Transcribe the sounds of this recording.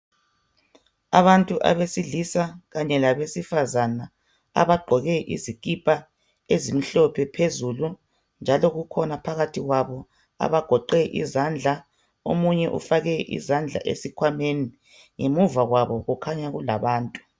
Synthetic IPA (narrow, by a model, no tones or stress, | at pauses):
aβantʼuʔa̰βesiɮisaɣaɲɛlaβesifazana | a̰βaɡ͡ǃʱɔɣɛʔḭzikʼipʰʼa | ezim̩ɬɔpʰɛpʰezulu | nd͡ʒʱalɔɣukʰɔnapʰaɣatʰiɣwaβɔ | a̰βaɡ̥ʱɔǃɛʔḭzand͡ɮʱa | o̰muɲɛʔṵfaɣɛʔḭzand͡ɮʱa̰ʔḛsikʰwameni | ŋemuvaɣwaβɔɣukʰaɲaɣula̰βaːntʼu̥